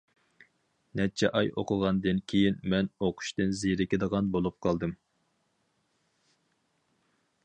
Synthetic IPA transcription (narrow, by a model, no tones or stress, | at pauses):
nɛt͡ʃʰɛʔɑjo̰qʰʊʁɑnd̪ɨnkʲʰejinmɛnoqʰʊ̥ʃt̪ɨnziɾɪkʲed̪əʁɑnbolˠup̚qʰɑlˠd̪ɨm